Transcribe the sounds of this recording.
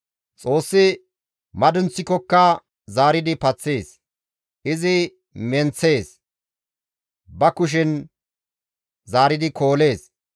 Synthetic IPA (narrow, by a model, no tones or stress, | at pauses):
t͡sʼo̞ːsːɪ | mɐd̪ʊnt͡sːɪkɔkːɐ | zaːɾɪd̪ɪpɐt͡sːeːs | ʔɪzɪ | mɛnt͡sːe̞ːs | bɐkʊʃ̬ɪn | zaːɾɪd̪ɪkʰo̞ːle̞ːs